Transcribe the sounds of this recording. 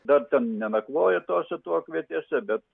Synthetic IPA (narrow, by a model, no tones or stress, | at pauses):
d̪ɐrt̪ʲɛnnʲɛnɐkʋoːjɛt̪oːsʲɛt̪uɔkʋʲiɛt̪ʲiɛsʲɛbʲɛt̪